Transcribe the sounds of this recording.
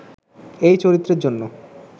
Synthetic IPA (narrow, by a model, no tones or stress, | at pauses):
ejt͡ɕoɾit̪ːɾeɾd͡ʑonːo